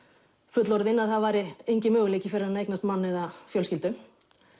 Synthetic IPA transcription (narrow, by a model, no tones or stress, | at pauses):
fʏt̪lɔɾðɪnːaðθaðvaːɾɪejɲcɪmœːɣleːjcɪfɪɾɪɾðanejknast̪manːɛðafjœlscɪlt̪ʏ